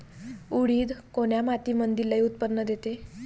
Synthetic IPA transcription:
uɽ̤iːd̪koɽ̃jamat̪imənd̪iɾlajut̪pənːəd̪et̪e

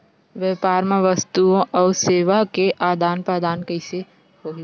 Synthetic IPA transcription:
ʋepaːɾmãʋəst̪uõʔɔːɾseːʋakeʔaːd̪aːnpɾəd̪aːnkəɪse | ɦoːɦi

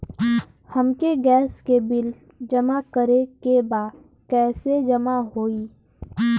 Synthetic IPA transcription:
həmkeɡɛːskebɪl | d͡ʒəmakəɾekebaːd̪ | kɛːsed͡ʒəmaɦoːiː

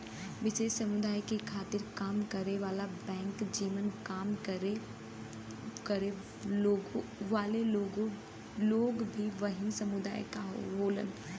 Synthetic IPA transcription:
ʋɪt͡ʃeːʃsɐmʊd̪aːjkekʰaːt̪ɪɾkaːmkɐɾeʋaːlabɛ̃ːŋkd͡ʒiːmənkaːmkəɾe | kɐɾe | oːɡʋaːleoɡo | loːɡbʱiʋɐɦɪmsɐmʊd̪aːjkaɦo̰ɦoːlə̰n

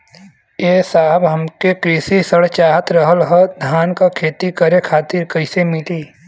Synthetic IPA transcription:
jeːsaːɦəbɦɐmkekɾiːsisəɽt͡ʃaːɦət̪ɾəɦəlɦəd̪ʱjaːnkakʰeːt̪ikəɾekʰaːt̪ɪɾkɐɪsemɪliː

